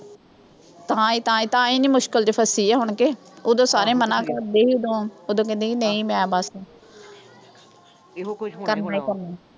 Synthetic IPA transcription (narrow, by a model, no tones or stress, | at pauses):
t̪ãːiːt̪ãːĩːt̪ãːĩːnĩːmʊʃkəld͡ʒepʰəsiːɛːɦʊɳkeːoːd̪õːsaːɾẽːmənãːkəɾd̪eːiːod̪õːoːd̪õːkɛ̃nd̪eːkinəĩːmɛ̃ːbaːsẽː | kəɾnaːiːkəɾnaː